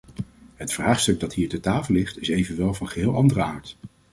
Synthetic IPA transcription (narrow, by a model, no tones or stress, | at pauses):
ɦətfraːχstɵɡ̚dɑtɦiːɹtətaːfəlˠlɪχtɪsejvənʋɛlˠvɑnχəɦɪːlˠɑndərəaːɹt